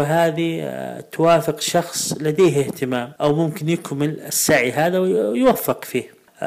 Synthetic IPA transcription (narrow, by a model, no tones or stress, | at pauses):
ɪɦaːðit̪ʊwaːfɪqʃɑxsˤlad̪eːhɪht̪ɪmaːmʔawmʊmkɪnjɪkmɪlɪsːaʕiɦaːðawjwafːɪqfiːh